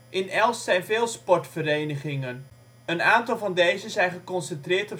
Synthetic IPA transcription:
ʔɪnɛlˠssɛjnveːlˠspɔɹtfəɾejnəχɪŋən | ənaːntɑlˠvɑndejzənzɛjnχəkɔnsəntrɪːtə

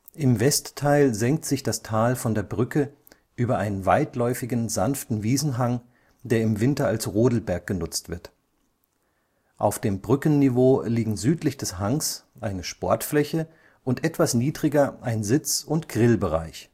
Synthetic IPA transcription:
ʔɪmvɛstʰːaɪlzɛŋk̚tz̥ɪçd̥astʰaːlfɔndeːɐbʁʏkʰə | ʔyːbɐʔaɪnənvaɪtlɔʏfɪɡn̩zanftn̩viːzn̩ɦaŋ | d̥eːɐɪmvɪntɐalsʁoːdl̩bɛɐk̚ɡ̥ənʊt͡stv̥ɪɐt | ʔa̰ʊfd̥eːmbʁʏkən̩nːivoːliːɡŋ̩zyːtlɪçd̥ɛshaŋsʔaɪnəʃpɔɐtflɛçə | ʔʊntʔɛtv̥asniːdʁɪɡɐʔaɪnzɪt͡sʊntɡ̥ʁɪlbəʁa̰ɪç

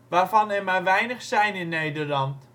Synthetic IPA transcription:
ʋaːrfɑnɛmarʋɛjnəχsɛjnɪnːeːdərlɑnt

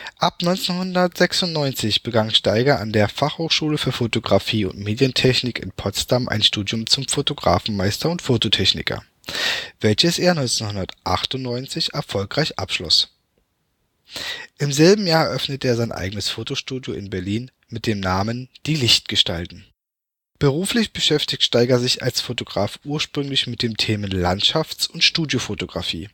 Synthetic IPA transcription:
ʔapnɔʏnt͡senhʊndɐtz̥ɛksʊntnɔʏnt͡sɪçb̥əɡaŋʃtaɪɡɐandeːɐfaχhoːxʃuːləfyːɐfotoɡʁafiːʊ̰ntmeːdjəntʰɛçnɪkɪ̰npʰɔt͡stamʔa̰ɪnʃtuːdjʊmt͡sʊmfotoɡʁa̰ːfn̩maɪstɐʊntfoːtotʰɛçnɪ̰kʰɐ̰ | vɛlçəsʔeːɐnɔʏnt͡senhʊndɐtʔa̰χtʊntnɔʏnt͡sɪçɛɐfɔlkʁ̥aɪçʔa̰pʃlɔ̰s | ʔɪmzɛlbm̩jaːɐɛɐʔœfnətəeːɐzaɪnʔa̰ɪɡənəsfoːtoʃtuːdjoʔɪnbɛɐliːn | mɪt̚d̥eːmnaːmənd̥iːlɪçt̚ɡ̥əʃtaltn̩ | b̥əʁuːflɪçb̥əʃɛftɪçtʃtaɪɡɐzɪça̰lsfotoɡʁaːfʔuːɐʃpʁ̥ʏŋlɪçmɪt̚d̥eːmtʰeːmənlantʃaft͡sʊntʃtuːdjofotoɡʁafḭː

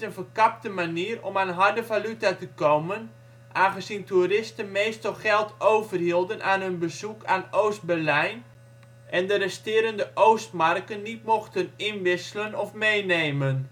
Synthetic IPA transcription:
ənfəkap̚təmaniːrɔmanɦɑrdəvalytatəkowmən | ʔaːχənzinturɪstənmeːstɔlˠχɛlˠtʰowvərhilˠdənaːnɦɵnbəzukaːnoːst̚bɛrlɛjn | ɛndərɛstɪːɾəndəʔoːstmarkənːitmɔxtənɪnʋɪsələnɔfmejneːmən

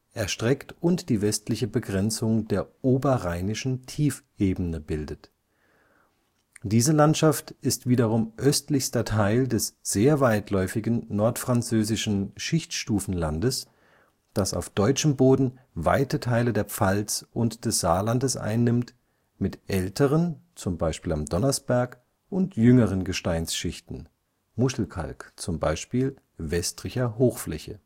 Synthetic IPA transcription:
ʔɛɐʃtʁ̥ɛktʊntd̥iːvɛstlɪçəbəɡʁɛnt͡sʊŋdeːɐʔoːbɐʁaɪnɪʃn̩tʰiːfʔeːbənəbɪldət | d̥iːzəlantʃaftɪstv̥iːdɐʁʊmʔœstlɪçstɐtʰaɪldɛsz̥eːɐvaɪtʰlɔʏfɪɡn̩nɔɐtfʁ̥ant͡søːzɪʃn̩ʃɪçtʃtuːfn̩landəs | d̥asa̰ʊfd̥ɔʏt͡ʃəmboːdn̩ | va̰ɪtətʰaɪlədeːɐp͡falt͡sʔʊntd̥ɛsz̥aːlandəsʔa̰ɪnːɪmt | mɪtʔɛltʰəʁənt͡sʊmbaɪʃpiːlamdɔnɐsb̥ɛɐk | ʔʊntjʏŋəʁənɡəʃtaɪnsʃɪçtn̩ | mʊʃl̩kʰa̰lkt͡sʊmba̰ɪʃpiːl | vɛstʁ̥ɪçɐɦoːxflɛ̰çə̰

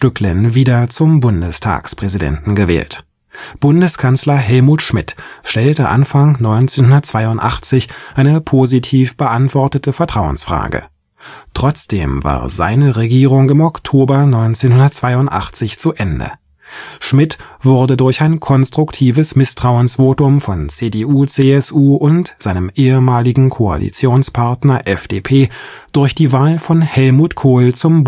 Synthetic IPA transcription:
tʏklənviːdɐt͡sʊmbʊndəstʰa̰ːkspʁ̥ɛzidɛ̰ntn̩ɡəvɛ̰ːlt | b̥ʊndəskʰanslɐɦɛlmuːtʃmɪtʃtɛltəʔa̰nfaŋnɔʏnt͡seːnhʊndɐt̚t͡sv̥aɪʊntʔa̰χt͡sɪçʔaɪnəpʰoːzitʰiːfb̥əʔantv̥ɔɐtətəfɛɐtʁ̥aʊə̰nsfʁ̥a̰ːɡə̰ | tʁ̥ɔt͡sd̥ḛːmva̰ːɐza̰ɪnəʁeɡiːʁʊŋɪmɔktʰoːbɐnɔʏnt͡seːnhʊndɐt̚t͡sv̥aɪʊntʔa̰χt͡sɪçt͡suʔɛndə̰ | ʃmɪtv̥ʊɐdədʊɐçaɪnkʰɔnstʁ̥ʊktʰiːvəsmɪstʁ̥aʊənsv̥oːtʊmfɔnt͡seːdeʔuːt͡seːɛsʔuːʔʊntz̥aɪnəmʔeːəmaːlɪɡŋ̩kʰoa̰lḭt͡sjoːnspʰaɐtnɐʔɛfd̥eːpʰeːd̥ʊɐçd̥iːvaːlfɔnhɛlmuːtkʰoːlt͡sʊmb

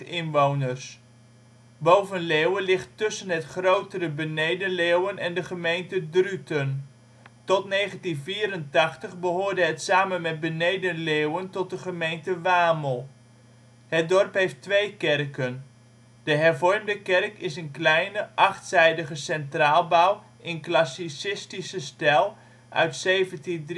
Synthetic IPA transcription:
ɪnʋownərs | bowvənlewəlɪχtːʏsənɦətχrowtərəbənejdəlewənɛndəχəmejntədrytən | tɔtnejχəntinviːɾəntɑχtəχbəɦʊːɹdəɦətsaːmənmɛd̚bənejdənlewəntɔt̚dəχəmejntəʋaːməlˠ | hət̚dɔrpɦejftʋejkɛrkən | d̥əɦɛrvɔrmdəkɛrkɪsənklɛjnəʔɑχtsɛjdəχəsɛntraːlˠbaw | ʔɪnklɑsisɪstisəstɛlˠ | ʔœ̰ɥtsejvənti

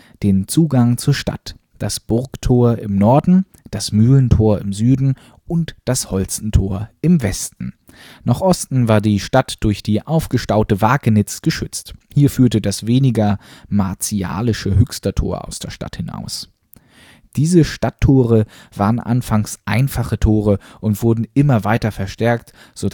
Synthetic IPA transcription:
d̥eːnt͡suːɡaŋt͡suːɐʃta̰t | d̥asb̥ʊɐktʰoːɐʔɪmnɔɐdn̩ | d̥asmyːləntʰoːɐɪmzyːdn̩ | ʔʊntd̥ashɔlt͡sn̩tʰoːɐɪmvɛstn̩ | naχʔɔstn̩vaːɐdiːʃtatd̥ʊɐçd̥iːʔaʊfɡ̥əʃtaʊtəvaːkənɪt͡sɡ̥əʃʏt͡sthiːɐfyːɐtədasveːnɪɡɐmaɐt͡sia̰ːlɪʃəhʏkstɐtʰo̰ːɐʔa̰ʊsd̥eːɐʃta̰thɪna̰ʊs | d̥iːzəʃtatʰːoːʁ̞əv̥aːʁənʔa̰nfaŋsʔa̰ɪnfaχətʰoːʁ̞əʔʊntv̥ʊɐdn̩ʔɪmɐvaɪtɐfɛɐʃtɛɐkt | z̥o

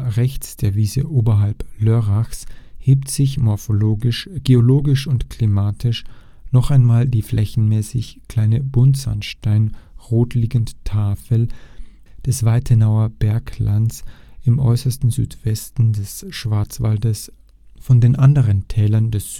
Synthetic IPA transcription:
ʁɛçt͡sd̥eːɐviːzəʔoːbɐɦalpløʁaxsheːptz̥ɪçmɔɐfoloːɡɪʃɡ̥eoloːɡɪʃʊntklimaːtʰɪʃ | nɔχaɪnmaːldiːflʔɛçn̩mɛːsɪçkʰl̥aɪnəbʊntz̥a̰nʃtaɪnʁoːtliːɡn̩ttʰaːfəl̩ | d̥ɛsv̥aɪtʰənaʊɐb̥ɛɐklansɪmʔɔ̰ʏsɐstn̩zy̰ːtv̥ɛstn̩dɛsʃv̥aɐt͡sv̥aldəs | fɔndeːnʔandəʁəntʰɛːlɐndɛs

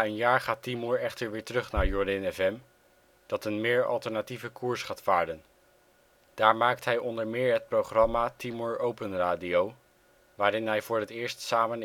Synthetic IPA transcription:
ənjaːɹχaːtimɔɹɛχtəɹʋɪːɹtrɵχnaːɹjɔɹdɛnɛfɛm | d̥ɑtənmɪːɹɑ̰lˠtəɹnativəkuːɹsχaːtfaːɹdən | d̥aːɹmaːk̚tɦɛjɔndəɹmɪːɹɦət̚prowχrɑmaːtimɔɹowpənraːdiow | ʋaːɾɪnɦɛjvʊːɹətɪːɹstsaːmən

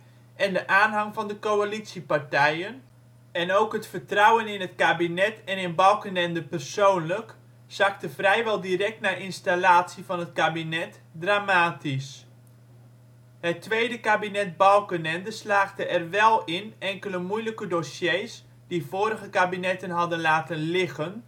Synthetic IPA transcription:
ʔɛndəʔaːnɦɑŋfɔndəkoalitsipartɛjən | ɛnowkɦətfərtrawənɪnɦətkabinɛtɛnɪnbɔwˠkənɛndəpərsoːnlək | saktəvrɛjʋɛlˠdirɛk̚tnaʔɪnstalaːtsivɔnɦətkabinɛt | draːmaːtis | hətːʋejdəkabinɛt̚bɔwkənɛndəslaːχdəʔɛrʋɛlˠɪnɛŋkələmujləkədosjejs | divoːɾəɣəkabinɛtənɦɑdənlaːtənlɪɣən

